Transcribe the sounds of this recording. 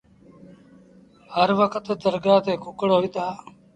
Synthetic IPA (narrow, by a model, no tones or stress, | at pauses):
həɾʋəkʰət̪d̪əɾɡaːt̪eːkʊkəɽɦoːiːt̪aː